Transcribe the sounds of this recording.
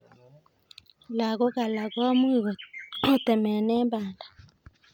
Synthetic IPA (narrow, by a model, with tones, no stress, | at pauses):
la˨ɡɔ˦ka˨la˨ɡɔ˦mu˦˨ɡo˨t̪ɛ˨mɛ˨nɛ˦ba˨nda˨